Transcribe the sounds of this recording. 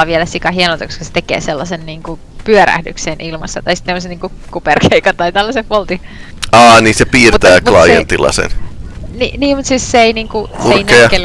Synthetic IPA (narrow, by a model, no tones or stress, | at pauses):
ɑʋielæsikɑɦienot̪ɑkoskɑ̥se̥t̪ekḛːselːɑsenniːŋku | pyøɾæ̰hdyksenʔilmɑsːɑt̪ɑisi̥t̪nemoseniːŋku | kuperkʰeikɑnt̪ɑit̪ælːæsefpolt̪i | ɑːniːsepiːrut̪æːmklɑjḛnt̪ilːɑ̰sḛnnḭniːmmut̪sisseeiniːŋkuseineɑkːel